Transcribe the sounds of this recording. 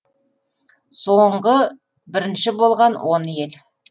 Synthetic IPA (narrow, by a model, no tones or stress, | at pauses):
soɴɢə | bɪɾɪnʃɪbo̞lˠʁɑnwʔo̞nje̞l